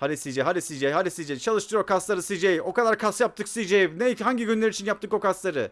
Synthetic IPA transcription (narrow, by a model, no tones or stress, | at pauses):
haɾisid͡ʒɛɦaɾisid͡ʒɛjhaɾisid͡ʒejt͡ʃʰalˠɯʃt̪ʰɯɾjoɾkʰasˠaɾɯsid͡ʒejio̞kad̪aɾkʰasjap̚t̪ʰɯksid͡ʒejivnejihaɲɟiɟynlʲeɾit͡ʃʰinjap̚t̪ʰɯko̞kaslˠaɾɯ